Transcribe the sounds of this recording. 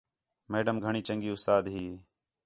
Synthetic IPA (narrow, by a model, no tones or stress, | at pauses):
meːɖəmɡʱəɳiːt͡ʃəŋɡiːʊst̪aːd̪ɦiː